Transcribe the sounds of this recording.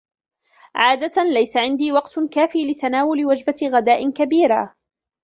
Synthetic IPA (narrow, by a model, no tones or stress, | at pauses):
ʕaːd̪at̪lajsaʕɪnd̪iːwɑqt̪kaːfiːlɪt̪anaːwʊlɪwad͡ʒbaɣad̪aːʔɪkabiːɾa̰